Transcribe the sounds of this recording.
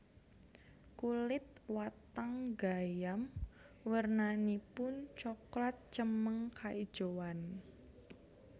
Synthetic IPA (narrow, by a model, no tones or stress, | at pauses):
kulɪt̪̚wat̪aŋɡajam | wərnanipʊnt͡ʃɔklat̪̚t͡ʃəməŋkʰaʔid̥ʒ̥owan